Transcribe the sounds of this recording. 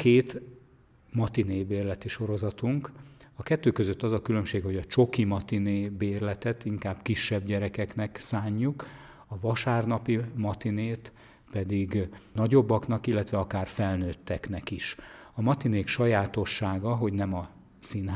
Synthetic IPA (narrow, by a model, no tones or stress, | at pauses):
keːt̪ | mɒt̪ineːbeːrlɛt̪iʃo̞ɾo̞zɒt̪uŋkɒkɛt̪ːøːkøzøt̪ːɒzɒkylømʃeːkho̞ɟɒt͡ʃo̞kimɒt̪ineːbeːrlɛt̪ɛt̪iŋkaːb̥kiʃːɛbɟɛɾɛkɛknɛksaːɲːuk | ɒvɒʃaːrnɒpimɒt̪ineːt̪ | pɛd̪iɡnɒɟo̞bːɒknɒkilːɛt̪ʋɛɒkaːrfɛlnøːt̪ːɛknɛkiʃɒmɒt̪ineːkʃɒjaːt̪o̞ʃːaːɡɒɦo̞ɟnɛmɒ | sinɦ